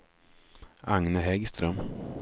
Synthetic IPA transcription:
aŋnəɦɛɡst̪ɾœm

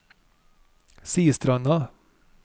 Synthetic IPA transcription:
siːəst̪ɾɑnɑ

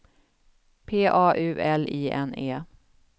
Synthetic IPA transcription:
pʰeːʔɑːʔʉ̟ːʔɛliːʔɛ̰neː

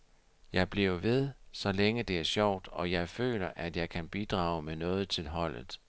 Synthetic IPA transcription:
jɑ̈ɪb̥liʊ̰ʋe̝ð̞ˠsɒ̽leŋəd̥e̝æɐsɒʊ̰d̥ɒ̽jɑ̈ɪfø̰ːlɐʔæd̥jɑ̈ɪkʰænb̥id̥ʁɑ̰̈ːʊmenɔ̽ːð̞̩ˠt͡sʰe̝lɦɒ̽l̰ð̩ˠ

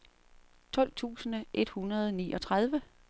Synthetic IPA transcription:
t͡sʰɒ̽l̰t͡sʰṵːsən̩ʔe̝d̥hunɐð̞ˠniːʔɒ̽t͡sʰʁað̞ˠʋə

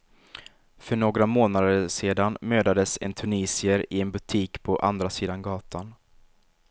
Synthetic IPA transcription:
fœɳoːɡɾamoːnad̪əʂeːd̪anmøːd̪ad̪əsɛ̰nt̪ʰɵniːsɪəɾɪɛnbɵt̪ʰiːkpʰɔʔa̰nd̪ɾasiːd̪anɡɑːt̪ʰan

